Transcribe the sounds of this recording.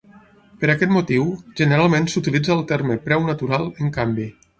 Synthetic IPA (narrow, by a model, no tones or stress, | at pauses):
pəɾakɛt̪mut̪iwʒənəɾalˠmensut̪ilid͡zəːlˠt̪ɛɾməpɾɛwnət̪uɾalˠəŋkambi